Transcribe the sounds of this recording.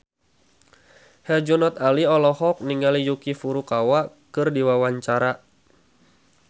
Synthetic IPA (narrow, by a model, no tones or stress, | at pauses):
hɛd͡ʒunɔt̪̚aliɔlɔhɔk̚niŋɡalijukifuɾukawa | kɨrdiwawaɲt͡ʃaɾa